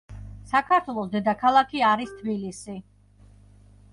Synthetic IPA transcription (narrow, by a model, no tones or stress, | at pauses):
sakʰaɾt̪ʰwɛlˠɔsd̪ɛd̪akʰalˠakʰiaɾist̪ʰbilisi